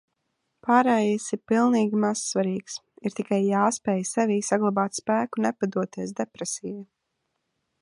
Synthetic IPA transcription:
paɾɛjisipilˠniːɡʲimassvaɾiːksiɾt̪ikajːaːspɛːjsɛviːsaɡlˠabaːt̪spæːkunɛpad̪uɔt̪iɛs̬d̪ɛpɾɛsiːju

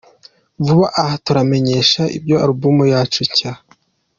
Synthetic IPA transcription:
vuβaʔahatuɾame̞ɲe̞ʃaʔḭbɟo̞aɾubumojaːt͡ʃuca

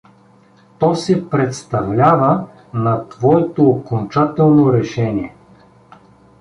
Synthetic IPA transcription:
t̪ɔsɛpɾɛt̪st̪ɐvlʲavə | nɐt̪vɔɛt̪oːkont͡ʃat̪ɛlˠnoɾɛʃɛnʲiɛ

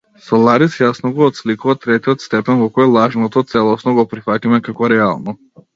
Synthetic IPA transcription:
sɔlˠaɾisjasnɔɡɔːt̪slikuvat̪ɾɛt̪iɔt̪st̪ɛpɛnvɔkɔjlˠaʒnɔt̪ɔt̪sɛlˠɔsnɔɡɔpɾifat̪imɛkakɔɾɛa̰lˠnɔ

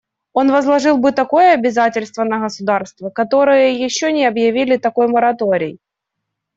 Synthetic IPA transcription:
o̞nvɐzlˠɐʐɨlˠbɨt̪ɐko̞jəɐbʲɪzatʲɪlʲst̪vənəɣəsʊd̪arst̪vəkɐt̪o̞ɾɨjəjɪɕːonʲɪɐbjɪvʲilʲɪt̪ɐko̞jməɾɐt̪oɾʲɪ̰j

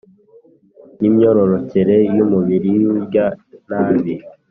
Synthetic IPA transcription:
nimɲo̞ɾo̞ɾo̞ceɾe̞jumuβiɾiuɟanaːβi

